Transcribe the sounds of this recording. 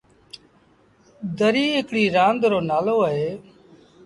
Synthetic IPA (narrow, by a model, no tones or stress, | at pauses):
d̪əɾiːeːkɽiːɾãːnd̪ɾoːnaːloːəɦeː